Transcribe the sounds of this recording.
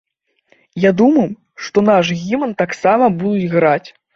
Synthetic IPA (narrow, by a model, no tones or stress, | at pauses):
jad̪umɐj | ʂt̪ɔnaʂɣʲimɐnt̪aksamɐbud̪ud͡zʲɣɾat͡sʲ